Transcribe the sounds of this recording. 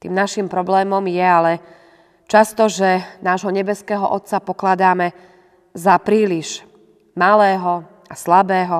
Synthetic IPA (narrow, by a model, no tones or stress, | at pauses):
t̪ḭːmnaʃimpɾɔblɛːmɔmjɛalɛ | t͡ʃast̪ɔʒɛnaːʒɦɔɲɛbɛskɛːɦɔ̰ʔɔ̰t̪t͡sapɔklad̪aːmɛ | zapɾiːliʒ | malɛːɦɔ | aslabɛːɦɔ